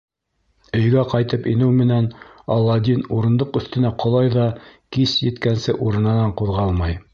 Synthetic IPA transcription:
ɵ̆jɡæqɑjt̪ɤpinɘwmɘ̆nænɑlˠːɑd̪ʲinuɾɤ̆nd̪ɤqɵ̆θt̪ɘ̆næqʰŏlˠɑjðɑkisjɘ̆t̪kænsɘʔuɾɤ̆nɑnɑɴquðʁɑlˠmɑj

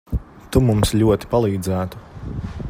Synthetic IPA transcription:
t̪umumslʲuɔt̪i̥palˠiːd̪zæːt̪u̥

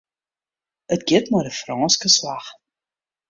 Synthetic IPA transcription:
ətɡ̥ɪtmadəfrɑːnskəslaχ

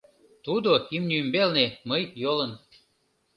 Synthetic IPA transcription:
t̪ud̪oimnʲymbelneməjjolən

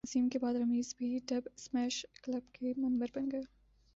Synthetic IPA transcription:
ziːmkebɑːd̪ɾɐmiːzbʱiɖɐbsmɛːʃklɐbkemɐnbəɾbɐŋɡə

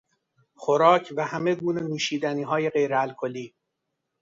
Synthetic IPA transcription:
xoɾɒːcʰvæhæmeɡuːne̞nuːʃiːd̪æniːɦɒːje̞ɢe̞jɾeælkʰoliː

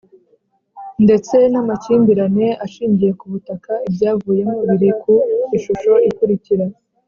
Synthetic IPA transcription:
nde̞t͡se̞namaciːmbiɾane̞aʃiːɲɟije̞kuβutakaibɟaːvuːje̞moβiɾekʰuiʃuʃo̞ikuɾiciɾa

